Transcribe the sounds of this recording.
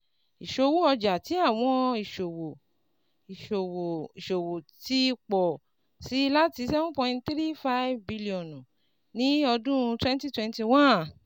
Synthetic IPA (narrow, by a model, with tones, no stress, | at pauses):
i˨ʃo˧wu˦ɔ˧d͡ʒa˨ti˨˦a˦˨w̃ɔ̃˧i˨ʃo˨wo˨ | i˨ʃo˨wo˨i˨ʃo˨wo˨ti˦˧k͡pɔ˨ | si˨˦la˦ti˧˦sɛ˦fũ˦pɔ̃˧˦˧tt̪ɾi˦fa˦i˦vbi˧li˦ɔ̃˨nũ˨ | nĩ˨˦ɔ˧dũ˦˧twɛ̃˦n˦ti˦twɛ̃˧nti˧wã˦˨